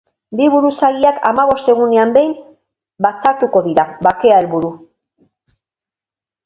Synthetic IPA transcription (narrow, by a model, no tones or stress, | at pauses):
biβuɾusaɣiaka̰maβo̞st̪e̞ɣune̞ambe̞jm | bat͡saɾt̪uko̞ðiɾaβake̞ae̞lβuɾu